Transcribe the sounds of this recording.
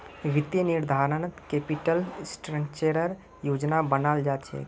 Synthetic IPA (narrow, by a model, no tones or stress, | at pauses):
ɡit̪jeniɾd̪ʱaɾənət̪kepiʈəlsʈɾə̃ŋkt͡ʃeɾəɾ | jod͡ʒnabənald͡ʒat̪t͡ʃʰɛ̰